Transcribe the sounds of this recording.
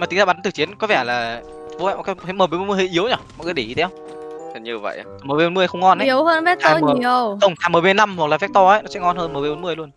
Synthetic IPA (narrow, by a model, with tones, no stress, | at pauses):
ma˨˩t̪i˨˦ŋzaː˧ɓa˨˦nt̪ɨ˨˩t͡ɕi˨˦ənkɔ˨˦vɛ˧˩laː˨˩ | vo˨˦v̰ɔ˨˩kaː˦˥kt̪ə˨˦məː˨˩eː˨˧˦o˧˦mɨ˧˩hə̰˧˨ʔi˨˦əwɲɔ˧˩mɔ̰˧˨kːɗə˧˩˨i˧t̪e˨˦hwŋ͡m | ə˨˩ɲi˧ə˧və̰˧˨ja˨˧˨məː˨˩ve˧˩o˨˦mɨ˧ə˧xə˧wŋ͡mŋɔ˧nʔə˨˦i˨˦əwhəː˧nvɛ˦˥t̚t̪ːmː˨˩˨ə˧wə˧˩wŋ͡mt̪ʰaː˧˩məː˨˩e˧na˧mhwklaː˨˩fɛ˦˥t̪ɔ˧ʔə˨˦jnɔ˨˦sɛ̰˧˥ŋɔ˧nhəː˧nməː˨˩ve˧ɓo˨˦nmɨ˧˩əjlu˧ən